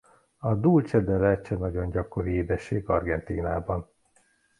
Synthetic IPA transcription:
ɒd̪uːlt͡ʃɛd̪ɛlɛt͡ʃːɛnɒɟo̞nɟɒko̞ɾieːd̪ɛʃːeːɡɒrɡɛnt̪iːnaːbɒn

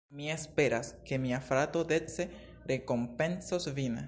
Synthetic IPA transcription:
mie̞spe̞ɾaske̞miafɾatode̞t͡se̞ | ɾe̞ko̞mpe̞nsosvin

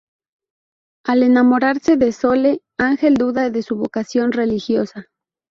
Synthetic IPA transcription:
ale̞namo̞ɾaɾse̞ðeso̞le | aŋxe̞ld̪uðaðesuβokasjo̞nre̞lixjo̞sa

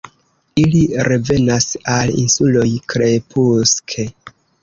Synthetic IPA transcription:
iliɾe̞ve̞nasalḭnsulo̞jkɾe̞puskʰe

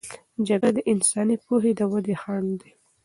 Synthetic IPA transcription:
d͡ʒaɡad̪əʔɪnsɑnipoɦed̪əwad̪exɑɳd̪i

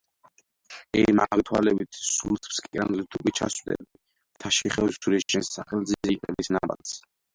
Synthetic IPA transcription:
ɛmaɡt̪ʰwalɛbit̪ʰsulʰʼpskʼikʼɾanlit̪ʰukʼit͡ʃʰa̰swd̪ɛ̰bi | t̪ʰaʃiχɛuɾit͡ʃɛnsːaχɛlzizɛkʼɛbisnaba̰t̪s

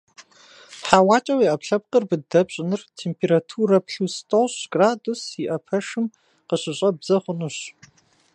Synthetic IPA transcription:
ħaːwaːt͡ʃʼɐwiʔɐpɬɐp̚qərbɨdɐbɕʼɪnɨrtʰeːmpʰeːɾatʰurɐpɬustʰʼoɕɡ̥raːdusiʔɐpʰɐʂɨm | qəɕɪɕʼɐbz̥ɐχʷʊnuɕ

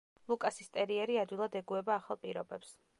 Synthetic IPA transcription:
lˠukʼasist̪ʼɛɾiɛɾiad̪wilˠad̪ɛɡuɛbaːχalˠpʼiɾɔbɛps

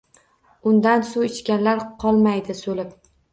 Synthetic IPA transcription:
ʊnd̪ansuɪt͡ʃkʲanlaɾqʰɒlˠmajd̪ɪsolɪp̚

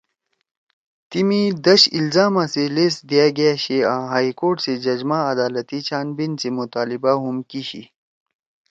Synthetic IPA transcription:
t̪imĩd̪ɐɕilzaːmãseleːsd̪ijaɡjaɕeãːɦaːikoːʈsed͡ʑɐd͡ʑmãɐd̪aːlət̪it͡ɕaːnbinsemut̪aːlibaɦumkiɕḭ

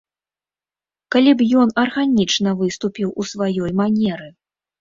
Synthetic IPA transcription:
kalʲibjɔnɐrɣanʲit͡ʂnɐvɨst̪upʲiwʔusvajɔjmanʲɛɾɨ

